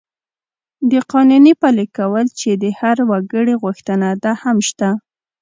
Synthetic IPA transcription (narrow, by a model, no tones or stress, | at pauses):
d̪əqɑnunipalɪkawəlt͡ʃed̪əhaɾwaɡəɽiɣʊxt̪ənad̪ahamʃt̪a